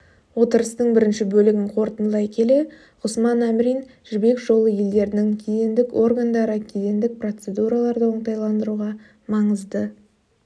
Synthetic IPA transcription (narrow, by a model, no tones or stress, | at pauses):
wo̞t̪əɾəst̪əɴbɪɾɪnʃɪbɵlɪɡʲɪɴqʰo̞ɾt̪ənlˠɑjkʲʰe̞le̞ | ʁʊsmɑnæmɾʲijn | ʒ̥ɪbe̞kʒo̞lˠəje̞ld̪e̞ɾɪnɪŋkʲʰed̪e̞nd̪ɪko̞rɡand̪ɑɾəkʲʰed̪e̞nd̪ɪk̚pro̞t̪se̞d̪uɾalˠɑɾd̪əwoɴt̪ɑjlˠɑnd̪əɾuʁɑ | mɑɴəzd̪ə